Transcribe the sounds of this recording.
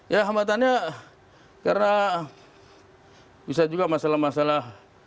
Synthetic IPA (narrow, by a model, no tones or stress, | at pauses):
jaɦambat̪̬anɲa | karna | bisad͡ʒuɡamasalahmasalah